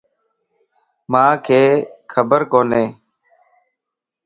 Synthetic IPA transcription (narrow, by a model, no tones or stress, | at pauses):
mãːkʰeːkʰəbəɾkoːneː